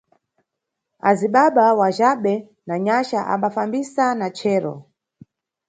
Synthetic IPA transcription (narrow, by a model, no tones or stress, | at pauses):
aziɓaɓawaʒaɓɛ | naɲaʃaʔa̰mbafambisanat͡ʃʰɛːɾɔ̰